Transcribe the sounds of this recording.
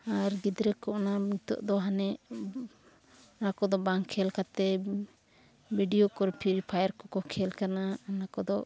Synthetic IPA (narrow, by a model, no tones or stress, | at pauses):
aɾɡid̪ɾɛkɔʔnanit̪ɔ̰ʔd̪ɔɦanɛʔ | nakɔd̪ɔbaŋkʰɛlkat̪ɛ | biɖijɔkɔɾpʰiɾipʰajaɾkɔkɔkʰɛlkananakɔd̪ɔ